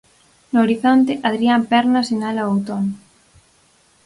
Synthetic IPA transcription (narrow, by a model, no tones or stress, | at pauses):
nʊoɾiθont̪eʔaðɾiampɛɾnasenalaowt̪on